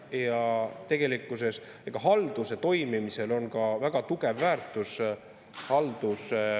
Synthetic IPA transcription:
jɑt̪e̞ɡ̥e̞likːˑuse̞s | eɡ̥ɑɦɑld̪̥use̞t̪o̞jmimise̞lo̞nkɑvæɡ̥ɑt̪uɡ̥e̞vːæːrt̪ˑus | hɑld̪̥us

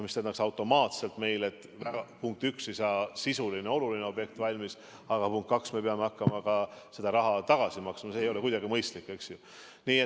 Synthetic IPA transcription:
mist̪enɑksɑwt̪ːˑo̞mɑːt̪se̞lt̪me̞jle̞t̪ːˑ | væɡɑpuŋk̚t̪ykse̞jsɑːsisulineo̞lulineo̞b̥je̞k̚t̪vɑlʲmis | ɑɡ̥ɑpuŋkt̪kːɑksme̞peɑme̞ɑkːɑmɑkɑse̞d̪̥ɑɾɑɦɑt̪ɑɡ̥ɑsimɑksmɑse̞ːjo̞le̞kujd̪ɑɡimɤjst̪likːˑe̞ksju | niːe

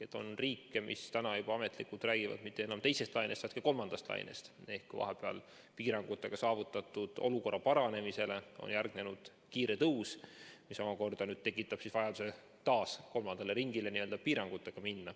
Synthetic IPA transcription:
et̪ːˑo̰nriːkːemʔḭst̪ænɑjub̥ɑɑme̞t̪ˑlikːˑult̪ræːɡ̥ivɑ̰d̪̥mit̪ːe̞enɑmt̪e̞jse̞st̪lɑjnet̪vɑjt̪kɑko̞lmɑnd̪̥ɑst̪lʔɑ̰j̰nḛst̪e̞hkːujvɑ̰ɦepeɑ̰l | piːɾɑŋɡ̥ut̪ːˑe̞ɡ̥ɑsɑːvut̪ːˑɑt̪ːˑud̪̥o̞̰luko̞rːɑpɑɾɑne̞mise̞le̞o̰njærɡ̥ne̞nud̪̥ | kiːɾe̞t̪ɤwsmiso̞mɑko̞rd̪̥ɑnyːd̥̪̚t̪e̞k̬ˑːit̪ːˑɑb̥sisvɑjɑd̪use | t̪ɑːsko̞lmɑnd̪̥ele̞ɾiŋɡile̞niø̞ld̪ɑpiːɾɑŋɡ̥ut̪ːˑe̞ɡ̥ɑminːɑ

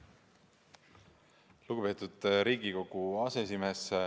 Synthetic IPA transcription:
luɡupe̞ːt̪ˑud̪̥ɾiːɡiko̞ɡ̥uɑːseesime̞s

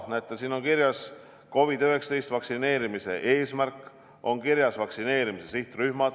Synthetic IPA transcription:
næjt̪ːˑɑsiːno̞ŋkiɾjɑs | ko̞vid̪̥øɦeksɑt̪e̞jst̪vɑksine̞ːɾimise̞ʔeːsmærkːˑ | o̞nkiɾjɑsvɑksine̞ːɾimise̞siht̪ryhmɑd̪̥

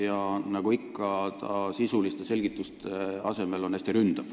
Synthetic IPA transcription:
jɑnɑɡ̥uikːɑt̪ɑsisulist̪e̞se̞lʲɡit̪ːˑust̪eɑ̰se̞me̞lo̞næsʲt̪iɾynd̪̥ɑv̥

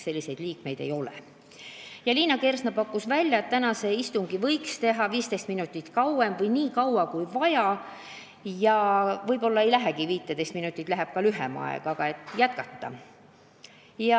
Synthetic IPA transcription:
se̞lːise̞jd̪liːkme̞jd̪e̞̰jo̞lḛ | jɑliːnɑke̞rsnɑpɑkːˑusvælʲjɑe̞t̪t̪ːænɑse̞ist̪uŋɡ̥ivɤjkst̪e̞ɦɑviːst̪est̪minut̪ʲːˑit̪kɑwe̞mvɤjniːkɑwɑkujvɑjɑ | jɑvɤjbo̞lːɑe̞jlæɦeɡ̥iviːt̪ːˑed̪e̞st̪minut̪ːˑit̪læɦeb̥̚kɑlyɦemɑ̰ḛɡ̥ɑɡ̥ɑe̞t̪ːˑjæt̪̚kɑt̪ːɑ | jɑ

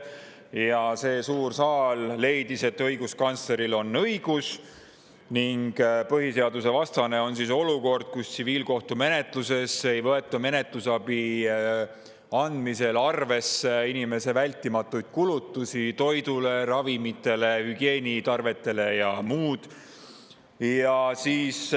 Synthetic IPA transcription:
jɑse̞ːsuːrsɑːlːe̞jd̪̥ise̞t̪ːɤjɡ̥uskɑnsle̞ɾilo̞nːɤjɡ̥us | niŋɡpɤɦise̞ɑd̪use̞vɑst̪ɑne̞o̞nsiso̞luko̞rd̪̥̚kustsiviːlko̞ht̪ume̞ne̞t̪luse̞se̞jvɤe̞t̪ːˑɑme̞ne̞t̪lusɑbi | ɑnd̪mise̞lɑrve̞seinime̞se̞vælʲt̪ːˑimɑt̪ːˑujd̪̥̚kulut̪ːˑusit̪o̞jd̪̥ule̞ɾɑvimit̪ːˑe̞le̞hyɡ̥e̞ːnʲit̪ɑrve̞t̪ːˑe̞le̞jɑmuːd̪̥ | jɑsiːs

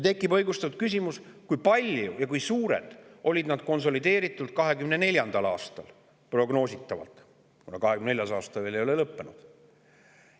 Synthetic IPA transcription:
t̪e̞kːˑibɤ̞jɡust̪ɑvt̪̚kys̬ʲimuskujpɑlʲjujɑkujsuːɾe̞̰d̪̥ʔo̞lʲid̪nɑd̪̥̚ko̞ns̬o̞lid̪e̞ːɾit̪ːˑult̪̚kɑɦe̞ɡymne̞ne̞lʲjɑnd̪̥ɑlɑ̰ːst̪ɑl | pro̞ɡno̞ːsʲit̪ːˑɑvɑ̰lt̪ˑ | kunɑkɑɦekymneljɑsɑːst̪ɑeːlejo̞lelɤpːenud̪̥

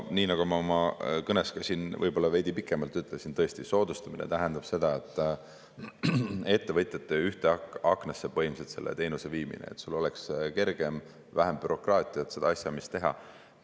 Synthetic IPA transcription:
niːnɑɡ̥umɑomɑkɤneskɑsinvɤ̰jb̥o̞lːɑve̞jd̪̥ʲipikːˑe̞mɑlt̪ːˑyt̪ːˑlesint̪ɤest̪iso̞ːd̪̥ust̪ɑminḛt̪æɦe̞nd̪̥ɑb̥se̞d̪̥ɑe̞t̪ːˑ | e̞t̪ːe̞vɤt̪ˑjɑt̪ːˑeyht̪eɑkɑkˑnɑsːe̞pɤ̞jmset̪se̞lːʔet̪e̞ːnuse̞viːmḭnḛet̪sulo̞lekske̞rɡ̥e̞m | væɦemb̥yɾo̞krɑːt̪ʲˑiɑt̪se̞d̪ɑɑsʲjɑmist̪e̞ɦɑ̰

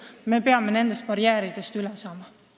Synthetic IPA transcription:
me̞pe̞ɑme̞ne̞nd̪e̞st̪̚pɑɾjæːɾid̪̥e̞st̪ylesɑːmɑ

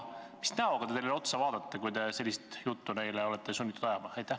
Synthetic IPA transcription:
misnæoɡɑd̪eejlelo̞t̪sɑvɑːd̪̥ɑt̪ːekujd̪e̞se̞lʲːist̪jut̪ːune̞jleo̞lɛt̪ːˑe̞sunʲːit̪ud̪̥ɑjɑmɑɑjt̪ːˑæh

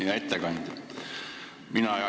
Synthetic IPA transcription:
ɑet̪ːekɑnd̪̥ | minɑɑ

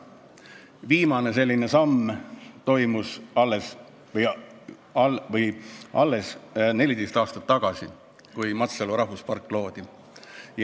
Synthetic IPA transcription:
viːmɑne̞se̞lʲːine̞sɑmːt̪o̞jmusɑlːes | ɑvɤjʔɑlːe̞sne̞lʲid̪est̪ɑːst̪ɑ̥t̪ːɑɡ̥ɑsi | kujmɑt̪seluɾɑɦvuspɑrkːˑlo̞ːd̪̥i | j

